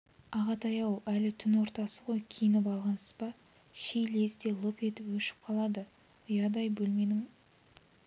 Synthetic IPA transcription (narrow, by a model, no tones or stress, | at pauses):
ɑʁɑt̪ʰɑjɑwælɪt̪ʰʏnwo̞ɾt̪ɑsəʁo̞jkʲʰejɪnɪpɑlˠʁɑnsə̥zbɑ | ʃejle̞zd̪e̞lˠəpe̞t̪ɪpwɵʃɪ̥p̚qʰɑlˠɑd̪ə | ʊjɑd̪ɑjbɵlme̞nɪŋ